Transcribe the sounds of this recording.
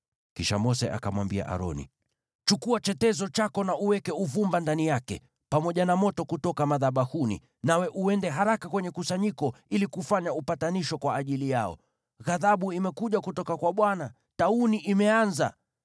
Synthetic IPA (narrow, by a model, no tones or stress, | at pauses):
kiʃamɔsɛʔa̰kamwambia̰ʔa̰ɾɔ̰nḭ | t͡ʃukuat͡ʃɛtɛzɔt͡ʃakɔnaʔuwɛkɛuvumbandanijakɛ̰ | pamɔʄanamɔtɔkutɔkamaðaɓahunḭ | nawɛʔuɛndɛɦaɾakakwɛɲɛkusaɲikɔilikufaɲaupataniʃɔkwaːʄilijaɔ̰ | ɣaðaɓuimɛkuʄakutɔkakwaɓwana | tauniʔimɛanza̰